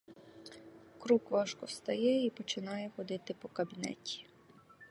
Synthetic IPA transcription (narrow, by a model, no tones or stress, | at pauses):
kɾukʋɑʃkɔwst̪ɐjɛipɔt͡ʃɪnɑjɛxɔd̪ɪt̪ɪpɔkɐbʲinɛ̰tʲi̥